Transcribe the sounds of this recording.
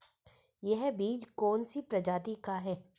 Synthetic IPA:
jeɦbiːd͡ʒkɔːnsipɾɐd͡ʒaːt̪ikaɦɛː

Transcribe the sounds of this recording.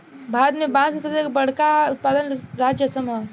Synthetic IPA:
bʱaːɾət̪mẽbãːsesɐekbɐɽ̤kaʊt̪̚paːd̪ənɾaːd͡ʒjəsəma

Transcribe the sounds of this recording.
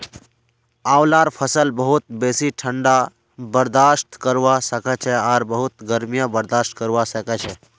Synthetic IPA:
aːwlaɾpʰəsəlbəɦut̪̚beːsiʈʰəɳɖa | bəɾd̪aʃt̪kəɾwasəkɛt͡ʃʰɛaːɾbəɦut̪ɡəɾmijə̃bəɾd̪aːʃʈkəɾʋasəkɛt͡ʃʰɛ

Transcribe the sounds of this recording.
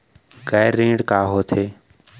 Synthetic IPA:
kaːjɾːẽːɖkaːɦoːt̪ʰeː

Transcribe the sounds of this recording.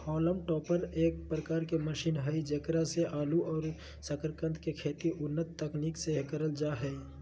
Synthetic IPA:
hɔːləmʈɔːpəneːk̚pɾəkaːɾkeməʃiːnɦəid͡ʒəkɾaseʔaːluɔːɾ | səkəɾkə̃nt̪ʰkekʰeːt̪iʔʊnːət̪ːəkniːksekəɾəld͡ʒaɦɛ

